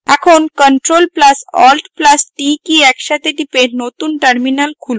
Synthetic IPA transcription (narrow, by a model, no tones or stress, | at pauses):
ɛkʰonkəɳʈɾolpləsɔ̰lʈplasʈikiɛkʃat̪eʈipenot̪unʈəɾminalkʰul